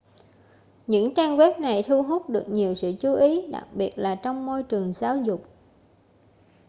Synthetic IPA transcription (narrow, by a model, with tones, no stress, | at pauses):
ɲɨ̰˧˥ŋt͡ɕaː˧ŋɣwɛ˦˥p̚na˨˩jt̪ʰu˧ɦu˦˥t̚ɗɨ˨˩ək̚ɲi˨˩əwsɨ̰˧˨t͡ɕu˨˦ʔi˨˦ɗa̰˨˩k̚ɓi˨˩ət̚laː˨˩t͡ɕɔ˧wŋ͡mmo˧jt͡ɕɨ˨˩əŋzaː˨˦wzʊ˨˩k͡p̚